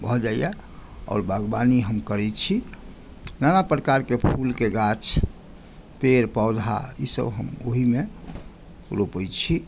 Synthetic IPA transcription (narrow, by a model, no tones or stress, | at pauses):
bʱɔd͡ʒaijaɔ̰ːɾbaɡbaniɦəmkəɾɛt͡ʃʰi | nanapɾkaɾkepʰulkeɡat͡ʃʰ | peɾpɔʊd̪ʱa̰ḭsə̰bɦəmo̰ɦime | ɾopəjt͡ʃʰi